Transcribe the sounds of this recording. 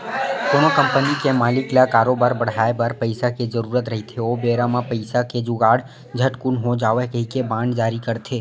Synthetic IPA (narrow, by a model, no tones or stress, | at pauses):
konokəmpənikemaːlɪklakaːɾobaɾbəɽ̤aebəɾpəjsaked͡ʒəɾuɾət̪ɾəɦit̪ʰeobeɾãmãpəɪsaked͡ʒuɡaɽ | d͡ʒʱəʈkunɦõd͡ʒaːʋəɦkəɦikebãɳɖd͡ʒaɾikəɾt̪ʰe